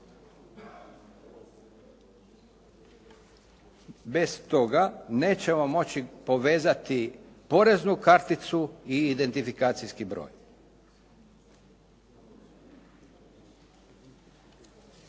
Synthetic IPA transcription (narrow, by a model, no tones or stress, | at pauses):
be̞st̪o̞ɡane̞ːt͡ɕe̞mo̞mo̞t͡ɕipo̞ʋe̞ːzat̪ipo̞ɾe̞znukaɾt̪it̪suiːd̪e̞nt̪ifikaːt̪sijskibɾo̰ːj